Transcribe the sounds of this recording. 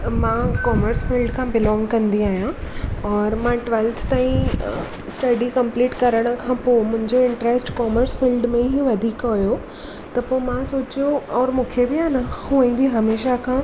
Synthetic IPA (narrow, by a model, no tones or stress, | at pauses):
mãkɔːməɾsfilɖkʰãːbɪlɔ̃ːŋɡkɐ̃nd̪iaːɦijãɔːɾmãʈʋɛlt̪ʰt̪aːĩ | sʈɐɖikɐ̃mpliːʈkɐɾəɽ̃ə̆kʰãːpomʊ̃ɦɪ̃ɲd͡ʑoɪ̃ɳʈɾesʈkɔːməɾsfiːlɖmẽɦiʋɐd̪ʱiːkɦojo | t̪ɐpomãsoːt͡ɕijoɔːɾmũːkʰebɪaːnahũə̃ĩbɪɦɐmeːʃakʰã